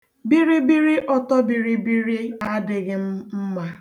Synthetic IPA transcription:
bi˦ɾi˦bi˦ɾi˦ʔɔ˦tɔ˦bi˨ɾi˦bi˦ɾi˦a˦dɪ˨ɣɪ˦m̩˦m̩˦ma˦

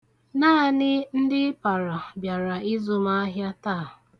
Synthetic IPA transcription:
naː˦˨nɪ˦n̩˦dɪ˦pa˨ɾa˨bja˨ɾa˨i˦zʊ˦ma˦ɦja˦taː˦˨

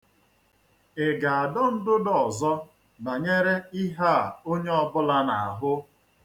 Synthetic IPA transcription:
e˨ɡa˨a˨dɔ˦n̩˦dʊ˦dɔ˦˨zɔ˦ | na˨ɲe˦ɾe˦i˦ɦa˦˨o˦ɲe˦ɔ˦bʊ˦la˦na˨a˨ɦʊ˦

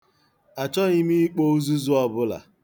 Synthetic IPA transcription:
a˨t͡ʃɔ˦ɲi˦mi˦i˦k͡po˦u˦zu˦zu˦ɔ˨bʊ˦la̰˨

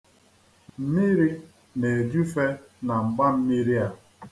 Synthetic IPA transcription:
m̩˦mi˦ɾi˦ | ne˨d͡ʒu˦fe˦ | na˨ŋ͡m̩˨ɡ͡ba˦m̩˦mi˦ɾi˦a˦

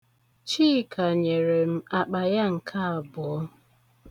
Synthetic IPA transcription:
t͡ʃiː˦kʰa˨ɲe˨ɾe˨m̩˦a˨k͡pa˨ja˦ŋ̩˨kʰa˦a˨bʊ˨ɔ˦

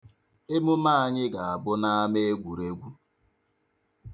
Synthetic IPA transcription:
e˦mʊ˦ma˦a˦˨ɲɪ˦ɡa˨a˨bʊ˦na˦a˦me˦e˦ɡʷu˨ɾe˦ɡʷu˦

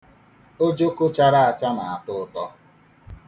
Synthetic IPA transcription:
o˦d͡ʒo˦kʊ˦t͡ʃa˦ɾa˦a˨t͡ʃa˦na˨a˨tʊ˦ʊ˦tɔ˦

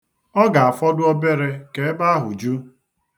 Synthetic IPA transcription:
ɔ˦ɡa˨a˨fɔ˦dʊ˦ɔ˦be˦ɾe˦ke˨˦ba˦a˦ɦʊ˨d͡ʒu˦

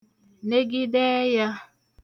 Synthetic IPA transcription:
ne˦ɡi˦dɛ˦ja˦

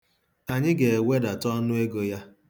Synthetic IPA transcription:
a˨ɲɪ˦ɡe˨we˦da˨tɔ˦nʊ˦e˦ɡo˦ja˦

